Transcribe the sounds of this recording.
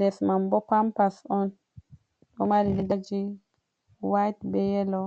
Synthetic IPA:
lɛsmambɔpampasɔn | ɔmaɾilidad͡ʒi | wajtbɛjɛlɔ

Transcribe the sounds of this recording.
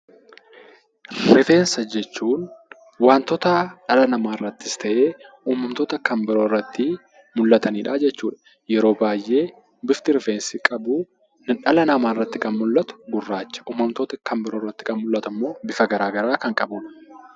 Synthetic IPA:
ɾɪfe̞ːnsɐd͡ʒɛt͡ʃːuːn | waːnt̪ɔt̪ɐᶑɐlɐnɐmaːrːɐt̪ːɪst̪ɐʔe̞ː | uːmɐmt̪ot̪ɐkɐmbɪɾoːrːɐt̪ːɪ | mʊlːɐt̪ɐniːᶑaːd͡ʒɛt͡ʃːuːᶑɐ | jɛɾo̞ːbaːjʔːe̞ː | bɪft̪ɪɾɪfeːnsɪkʼɐbuː | nɪᶑɐlɐnɐmaːɪrːɐt̪ːɪkɐnmʊlːɐt̪ʊ̥ɡʊrːaːt͡ʃːɐ̥ʔuːmɐmt̪oːt̪ɐkɐmbɪɾoːrːɐt̪ːɪ̥kɐnmʊlːɐt̪ɐmːo̞ːbɪfɐɡɐɾaːɡɐɾaːkɐŋkʼɐbʊ

